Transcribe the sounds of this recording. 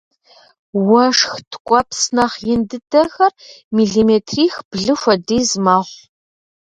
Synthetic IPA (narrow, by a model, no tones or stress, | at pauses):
wɐʂxtʰkʷʼɔpsnɐχjɪndɨdɐxɐrmiːɮimeːtʰriːxb̥ɮɨxʷɐdiːzmaːʁʷ